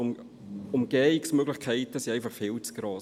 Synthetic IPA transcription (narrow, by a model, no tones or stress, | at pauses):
ʊm | ʊmɡ̥ɛːɪksmøɡlɪχkʰɛɪtəsiɛɪfɑχfɪːlt͡sɡ̥rɑː